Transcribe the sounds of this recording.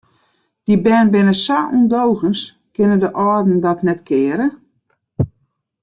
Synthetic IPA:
d̥ibɛːnbɪnəsaʔundowɣəns | kɪnədəʔɔːdn̩dɔtnɛtkʰɪːəɾə

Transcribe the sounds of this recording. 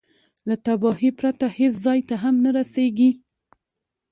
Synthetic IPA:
lat̪abɑhipɾat̪aheszɑjt̪aɦamnaɾaseɡi

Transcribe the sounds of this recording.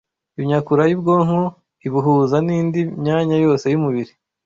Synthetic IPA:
imɲakuɾajub̚ɡoːŋ̥hu | iβuɦuzaniːndimɲaːɲajo̞ːse̞jumuβiɾi

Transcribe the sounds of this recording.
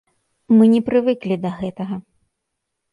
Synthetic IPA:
mɨnʲɛpɾɨvɨklʲid̪ɐɣɛt̪ɐɣɐ

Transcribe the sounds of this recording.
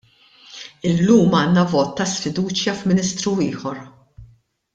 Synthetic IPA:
ɪlːuːmɐːnːɐvɔːt̪ːɐsfɪd̪uːt͡ʃjɐfmɪnɪst̪ɾuɪːħɔɾ

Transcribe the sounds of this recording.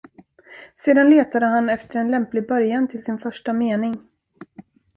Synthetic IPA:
seːd̪anleːt̪ad̪əɦanɛft̪əɾɛnlɛmplɪɡ̚bœɾjant̪ʰɪlsɪnfœʂʈameːnɪŋ

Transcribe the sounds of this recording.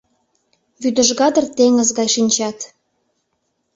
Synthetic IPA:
βyd̪ə̆ʒɣɑd̪ərt̪eŋə̆zɣɑjʃinʲt͡ɕɑt̪

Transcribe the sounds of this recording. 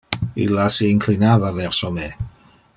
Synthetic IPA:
ɪ̰lasiŋkʰlinaðavɛrsɔme

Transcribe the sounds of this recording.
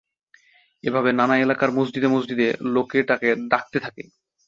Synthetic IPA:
ebʱabenanaelakaɾmozd͡ʑid̪emozd͡ʑ̪id̪elokeʈaked̪ak̚t̪et̪ʰake

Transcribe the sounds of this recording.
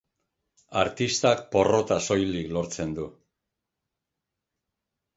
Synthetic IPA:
aɾt̪ist̪ak̚po̞ro̞t̪aso̞jliklo̞ɾt͡se̞nd̪u

